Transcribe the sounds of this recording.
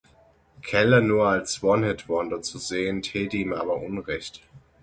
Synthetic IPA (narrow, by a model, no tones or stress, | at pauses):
kʰɛlɐnuːɐalsv̥ɔnhɪtv̥ɔndɐt͡suzeːəntʰɛːtəiːma̰ːbɐʔʊnʁɛçt